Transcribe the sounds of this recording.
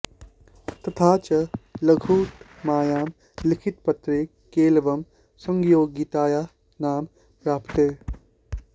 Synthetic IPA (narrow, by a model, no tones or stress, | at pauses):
t̪ɐt̪ʰaːt͡ʃɐlɐɡʱuːt̪ | maːjaːm | lɪkʰɪt̪̚pɐt̪ɾekːeːlʋɐm | sɐ̃ŋɡjoːɡit̪aːjaː | naːm | pɾaːpt̪eː